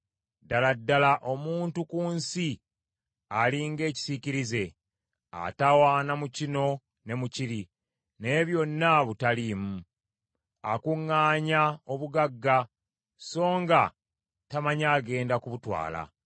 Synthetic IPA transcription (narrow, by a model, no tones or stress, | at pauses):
daladːalaʔo̞muːntukuːnsi | aliŋɡe̞ːci̥siciɾize̞ | a̰tawaːnamucino̞ | ne̞muciɾi | ne̞βjo̞nːaβutalimu | akuŋːaːɲao̞βuɡaɡːa | so̞ːŋɡa | tamaɲaːɡe̞ːndakuβutwa̰ːla̰